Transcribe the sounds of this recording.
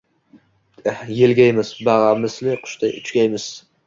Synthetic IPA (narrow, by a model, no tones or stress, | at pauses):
jelɡʲajmɪzbaʁɑmɪslɪqʰʊ̥ʃt̪aʊt͡ʃʰɡʲajmɪz̥